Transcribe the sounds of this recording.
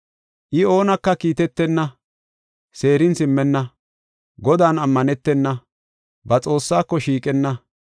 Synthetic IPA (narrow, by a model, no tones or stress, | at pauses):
ʔɪo̞ːnɐkːɐkiːt̪ɛt̪ːɛnːɐ | se̞ːɾɪnsɪmːɛnːɐ | ɡɔd̪aːnɐmːɐnɛt̪ːɛnːɐ | bɐt͡sʼo̞ːsːaːkːɔʃiːkʼɛnːɐ